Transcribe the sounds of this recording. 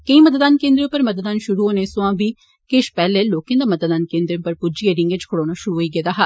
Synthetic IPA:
kəĩmət̪d̪aːnkẽːnd̪ɾẽpəɾmət̪d̪aːnʃʊɾuːɦoːneːsʊãːʋiː | kɪʃpɛːleːloːkẽːd̪aːmət̪d̪aːnkẽːnd̪ɾ̃pəɾpʊd͡ʒieːɾɪ̃ŋɡɪt͡ʃkʰʊɽoːnaːʃʊɾuːɦoːiːɡeːd̪aːɦa

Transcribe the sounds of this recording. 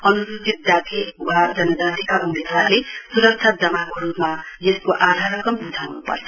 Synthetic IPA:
ʌnudit̪̚d̪at̪ʰiwad͡zʌnːʌd͡zat̪ʰikaʔunid̪ʱarlesuɾʌk̚t͡sʰad͡zʌmakoɾupmajeskoʔad̪ʱaɾʌkʌmbud̪ʱawnupʌ̰rt͡sʰʌ

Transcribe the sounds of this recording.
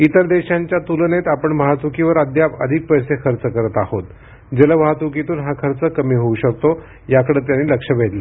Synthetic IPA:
it̪əɾd̪eɕaɲt͡ɕjat̪ulənet̪apəɳmaɦat̪ʋukiʋəɾəd̪ʱjapə̰d̪ʱik̚pəjsekʰəɾt͡səkəɾət̪ahot̪ | d͡ʑələʋaɦat̪uk̬it̪uːnɦakʰəɾt͡səkəmiːɦouɕək̚t̪o | jakəɽeːt̪̬janːiːləkʂəʋetlə

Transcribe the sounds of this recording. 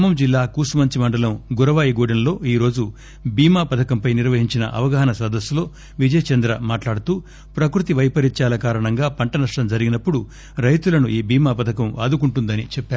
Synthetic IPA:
mɐmd͡ʒilːaːkuːsumɐɲt͡ʃimɐɳɖɐlɐmɡuɾɐʋaːjiɡoːɽɐnlo̞ːiːɾo̞ːd͡ʒu | biːmaːpɐd̪ʰʱɐkɐmpɐjniɾʋɐɦiɲt͡ʃinɐ̰ʔɐ̰ʋɐɡɐɦɐnɐsɐd̪ɐsːulo̞ː | ʋid͡ʒɐjɐt͡ʃɐnd̪ɾɐmaːʈlaːɽut̪uː | pɾɐkɾut̪iʋɐjpɐɾiɲt͡ʃaːlɐkaːɾɐɳɐŋɡaːpɐɳʈɐnɐʂʈɐmd͡ʒɐɾiɡinɐpːuɽu | ɾɐjt̪ulɐnuʔiːbiːmaːpɐd̪ʰʱɐkɐma̰ːd̪ukuɳʈund̪ɐnit͡ʃɛpːaːɾu

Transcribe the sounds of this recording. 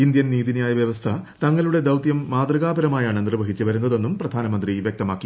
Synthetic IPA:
ind̪jɐnniːðinijaːjɐʋjɐʋɐst̪ʰɐt̪ɐŋːɐɭuɽe̞d̪ɐwt̪jɐmːaːd̪rɐɣaːbɐɾɐmaːjaːɳɨnirʋɐɦit͡ɕːɨʋɐɾunːɐðo̞nːumprɐd̪ʱaːnɐmɐnd̪riʋjɐk̚t̪ɐmaːkːi

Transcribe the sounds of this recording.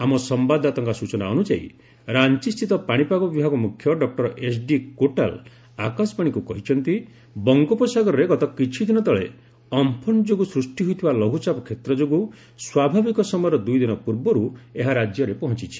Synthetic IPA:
amɔsɔmbad̪at̪ɔŋkɔsut͡ʃɔnaɔnud͡ʒa̰ḭ | ɾant͡ʃist̪it̪ɔpaɽ̃ipaɡɔbibʱaɡɔmukʰjɔɖɔk̚ʈɔɾɔʔesɖikoʈa̰l | a̰kasɔ̥paɽ̃ikukɔɦit͡ʃʰɔnt̪i | bɔŋɡɔpɔsaɡɔɾɔɾeɡɔt̪ɔkit͡ʃʰid̪inɔt̪ɔɭe | ɔmpʰɔnd͡ʒoɡusɾusʈiɦojt̪ʰibalɔɦut͡ʃapɔkʰet̪ɾɔd͡ʒoɡu | swabʱabikɔsɔmɔjɔɾɔd̪ujd̪inɔpuɾbɔɾueɦaɾad͡ʒjɔɾepɔɦɔ̃t͡ʃit͡ʃʰi̥

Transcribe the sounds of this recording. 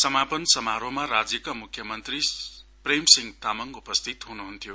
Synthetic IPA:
sʌmapʌnsʌmaɾomaɾad͡zjʌkʌmukʰjʌmʌnt̪ripremsiŋɡt̪amʌŋupʌst̪ʰit̪ɦunuɦunt̪ʰijo

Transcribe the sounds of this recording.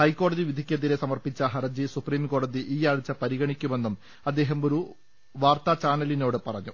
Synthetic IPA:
hɐjkːo̞ːɽɐðiʋid̪ʱikʲːɐðile̞sɐmɐrpit͡ɕːɐɦɐrɐd͡ʑisupriːmko̞ːɽɐðiʔiːjaːɻut͡ɕːɐpɐɾiɣɐɳikʲːume̞nːum | ɐd̪ːe̞ːɦɐmo̞ɾu | ʋaːrt̪ɐt͡ɕaːnɐlino̞ːɽɨpɐrɐɲːu

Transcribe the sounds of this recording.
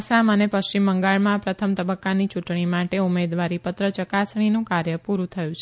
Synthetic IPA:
samənepəʃt͡ʃimːəŋɡaɭmãpɾət̪ʰəmt̪əbəkːanit͡ʃuʈɳ̃imaʈeumed̪ʋaɾipət̪ɾət͡ʃəkasɳ̃inũkaɾjəpuɾut̪ʰəjũt͡ʃʰe

